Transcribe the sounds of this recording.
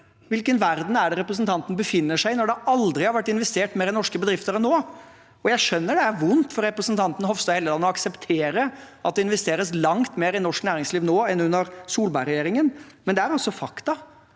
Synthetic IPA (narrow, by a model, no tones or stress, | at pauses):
ʋɪlkənʋæɾd̪n̩æɖɛɾɛpɾəs̬ənt̪ʰɑnt̪n̩bəfɪnːəʂæɪnɔɖɛɑld̪ɾɪhɑɾʋæʈːɪnʋɛst̪eːʈmeːɾɛnnɔʂkəbəd̪ɾɪft̪əɾɛnːoː | ɔjæɪʂœnːəɖɛæɾʋʊnt̪fɔɾɛpɾəsnt̪ʰɑnt̪n̩hɔfst̪ɑheːləlɑːnɔɑksɛpt̪ʰeːɾəʔɑ̰t̪̚d̪ɛɪnʋɛst̪eːɾəslɑŋt̪meːɾɪnɔʂknæːɾɪŋsliːʋnoːɛnʉnːəɾsuːlbɑɪɾɛjeːɾɪŋənmɛnd̪ɛæɾɔsɔfɑkt̪ɑ